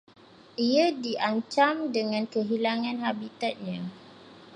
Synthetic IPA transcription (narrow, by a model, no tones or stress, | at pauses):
ʔiadiʔaɲt͡ʃamdəŋãnkəɦilaŋãnɦabit̪at̪̚ɲã